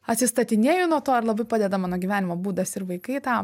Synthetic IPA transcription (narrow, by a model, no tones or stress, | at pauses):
ɐt̪ʲsʲɪst̪ɐt̪ʲɪnʲeːjʊnuɔt̪oːɐɾlˠɐbɐɪpɑːd̪ʲɛd̪ɐmɑːnoːɡʲiʋʲæːnʲɪmoːbuːd̪ɐsɪɾʋɐɪkɐɪt̪ɑː